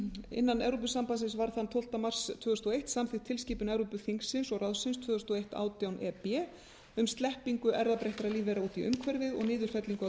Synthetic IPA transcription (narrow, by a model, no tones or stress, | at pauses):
ɪ̰nːanɛwɾup̬ʏsampasɪnsvaɾ̥θant̪ʰowl̥t̪amar̥st̪ʰvœːðʏst̪ɔejht̪samθɪ̥t̪ʰɪlsciːpʏnɛːwɾupʏθiŋksːɪnsɔɣraðsɪnst̪ʰvœːðʏst̪uɔejht̪a̰ːwt̪jawnʔɛpɛː | ʏmst̪lɛhpiŋkʏʔɛɾðapɾeht̪aɾaðliːvɛɾauːt̪iʔʏ̰mkʰvɛɾðɪðɔ̰ɣnɪːðʏɾ̥fɛt̪liŋk